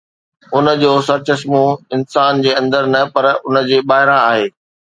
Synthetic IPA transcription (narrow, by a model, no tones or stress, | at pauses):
ʊnə̆d͡ʑoːsɐɾt͡ɕɐsmũɪnsaːnd͡ʑeːɐ̃nd̪əɾnɐpɐɾʊnə̆d͡ʑeːɓaːɦɪɾãaːɦeː